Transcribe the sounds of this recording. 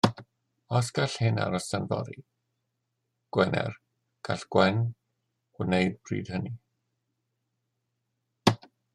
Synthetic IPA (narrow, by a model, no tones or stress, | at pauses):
ɔsɡ̥aɬhɪna̰ɾɔsanvɔ̰ɾi | ɡ̥wɛnɛ̰r | ɡ̥aɬɡ̥wɛn | ɔnejdbrḭːd̥həni